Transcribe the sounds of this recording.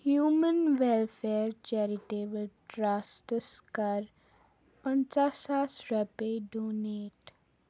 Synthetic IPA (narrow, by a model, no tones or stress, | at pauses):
hjuːmə̃nʋɛlfeːɾt͡ʃɛːɾɪʈeːbəlʈɾaːsʈəskɐɾ | pə̃nt͡ʃaːsaːsɾɛpeɖoːneːʈ